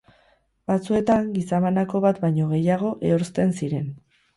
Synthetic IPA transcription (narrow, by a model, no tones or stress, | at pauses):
bat͡sue̞t̪aŋɡisaβanako̞βat̪bajɲo̞ɣ̞e̞jaɣ̞o̞ʔe̞oɾst̪e̞nsiɾe̞n